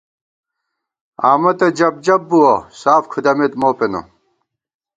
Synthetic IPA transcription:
aːmɐt̪ɐd͡ʑɐb̚d͡ʑɐbːuwosaːfkʰud̪ɐmet̪moːpeno̰

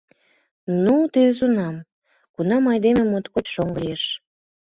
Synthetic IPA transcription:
nut̪id̪ə̆zunɑm | kunɑmɑjd̪emĕmot̪kotʃoŋɡəjeʃ

